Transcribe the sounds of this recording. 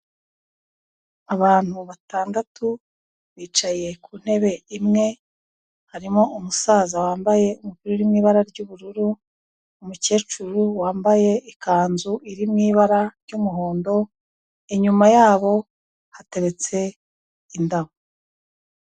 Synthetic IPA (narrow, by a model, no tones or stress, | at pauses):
aβaːn̥huβataːndatu | βiːt͡ʃaje̞kʰuːn̥he̞βe̞imŋe̞ | haɾimo̞ʔumusaːzawaːmbaje̞umukuɾoɾimŋiːβaɾaɾɟuːβuɾuɾu | umuce̞ːt͡ʃuɾuwaːmbaje̞ʔikaːnzuiɾimŋiːβaɾaɾɟumuɦo̞ːndo̞ | eɲumajaːβo̞ | hate̞ɾe̞t͡se̞ | indaho